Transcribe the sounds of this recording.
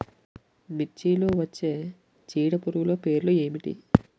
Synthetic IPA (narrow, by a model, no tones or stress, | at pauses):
mit͡ʃːiːloːʋɐt͡ʃːe̞ː | t͡ʃiːɽɐpuɾuulo̞ːpe̞ːɾloe̞ːmiʈḭ